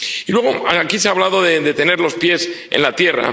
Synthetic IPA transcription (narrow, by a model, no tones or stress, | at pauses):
ilweɣ̞o̞aakiseaβlaðo̞ðe̞ðe̞t̪e̞ne̞ɾlo̞spje̞s | ḛnlat̪je̞ra̰